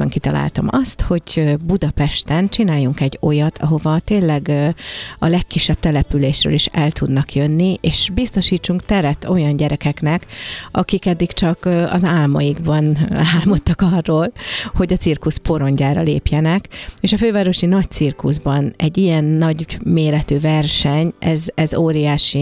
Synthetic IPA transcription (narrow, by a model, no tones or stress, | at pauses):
ɛŋkit̪ɒla̰ːlt̪ɒ̰mɒst̪ho̞ɟbud̪ɒpɛʃt̪ɛnt͡ʃinaːjuŋkɛɟo̞jɒt̪ʰɒ̰ɦo̞vɒt̪eːlɛɡ | ɒlɛkːiʃːɛb̥̚t̪ɛlɛpyleːʃrø̰ːliʃɛlt̪ʰud̪nɒkjønːiʔeːʃbist̪o̞ʃiːt͡ʃːuŋkt̪ɛɾɛt̪o̞jɒnɟɛɾɛkɛknɛkɒkikɛd̪ːikt͡ʃɒkɒ̰zaːlmɒjiɡbɒnaːlmo̞t̪ːɒkɒrːoːlho̞ɟɒsirkuspo̞ɾo̞ɲɟaːɾɒ̰lḛːpjɛnɛkeːʃɒføːvaːɾo̞ʃinɒc̚t̪sirkuzbɒnɛɟːijɛnːɒɟmeːɾɛt̪øːvɛrʃɛɲʔɛzɛzoːɾijaːʃi